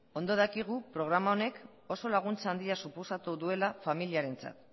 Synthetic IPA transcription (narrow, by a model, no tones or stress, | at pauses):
o̞nd̪o̞ð̞akiɣ̞upɾo̞ɣɾamao̞ne̞k | o̞so̞laɣ̞unt͡saaːnd̪iasupo̞sat̪uðue̞lafamiliaɾe̞nt͡sa̰t̪